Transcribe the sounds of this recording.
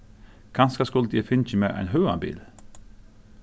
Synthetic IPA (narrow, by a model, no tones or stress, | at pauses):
ɡ̥ʰɑnskɑskʊld̪ifɪnçəmeːʔæ̰ɪnɦøːɑ̰bḭːl